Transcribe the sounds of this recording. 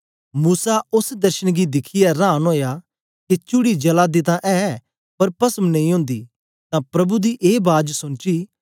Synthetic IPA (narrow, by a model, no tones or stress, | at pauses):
muːsaʊsd̪ɐɾʃənɡid̪ɪkʰɪjaɾãːnɦoːja | ket͡ʃʊɽid͡ʒɐlad̪ɪt̪ãʔɛː | pɐɾpɐsəmnɐ̃ĩɦʊ̃ːnd̪iː | t̪ãpɾɐbud̪iʔeːbaːd͡ʒsʊnt͡ʃiː